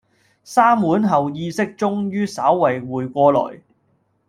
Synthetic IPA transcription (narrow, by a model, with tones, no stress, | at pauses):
saː˥mwuː˨˥nɦɐ˨wjiː˧sɪ˥k̚t͡sʊ˥ŋjyː˥saː˨˥wːɐ˨˩jwuː˨˩jkʷɔː˧lɔ̰ː˨˩j